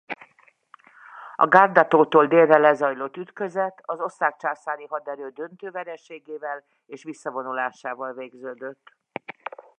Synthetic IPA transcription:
ɒ̰ɡaːrd̪ɒt̪oːt̪oːld̪eːrːɛlɛzɒjlo̞t̪ːyt̪kø̞zɛt̪ːɒzo̞sːaːk̚t͡ʃaːsaːniɦɒd̪ɛɾøːd̪ø̞nt̪øːvɛɾɛʃeːɡeːvɛl | eːʃʋisːɒvo̞nulaːʃaːvɒlveːɡzøːd̪øt̪ː

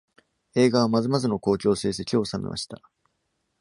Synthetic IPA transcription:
e̞ːɡaβ̞amazɨmazɨno̞ko̞ːt͡ɕo̞ːse̞ːs̬e̞kʲio̞ːsamḛmʔa̰ɕi̥t̪a

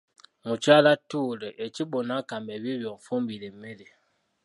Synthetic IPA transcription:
mut͡ʃalatuːleʔet͡ʃiɓonakambɛbibjɔɱfombilemele

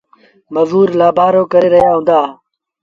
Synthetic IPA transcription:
məzuːɾlaːbʱaːɾoːkəɾeːɾɐɦjaːɦũnd̪aː

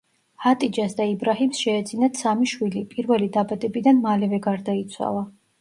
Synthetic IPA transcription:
hat̪ʼid͡ʒasd̪aibɾaɦimsʃɛːd̪z̥inat̪samiʃwilipʼiɾvɛlid̪abad̪ɛbid̪anmalɛvɛɡaɾd̪ait̪sʰwa̰lˠa

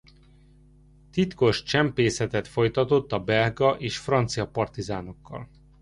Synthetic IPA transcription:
t̪it̪ko̞ʃt͡ʃɛmpeːsɛt̪ɛt̪fo̞jt̪ɒt̪o̞t̪ːɒbɛlɡɒʔeːʃfrɒnt̪sijɒpɒrt̪izaːno̞kːɒ̰l

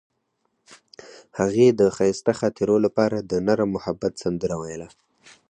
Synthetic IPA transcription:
haɣed̪əxɑjst̪axɑt̪eɾolapɑɾad̪ənaɾamːʊhabːat̪sand̪əɾawajəla

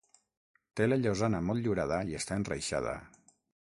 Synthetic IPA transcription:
t̪eləʎozanəmɔlt̪ʎuɾað̞əiest̪aenrə̰jʃa̰ð̞ə̰

